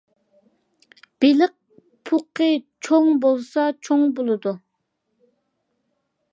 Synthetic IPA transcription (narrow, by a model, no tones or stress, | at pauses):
b̥elɪq̚ | pʰuqʰːət͡ʃʰoŋbolˠsɑt͡ʃʰoŋbolˠɨd̪u